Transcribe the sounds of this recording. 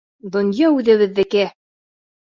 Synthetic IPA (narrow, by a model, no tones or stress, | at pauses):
d̪ŏnjɑʉðɘ̆βɘ̆ðːɘ̆kɘ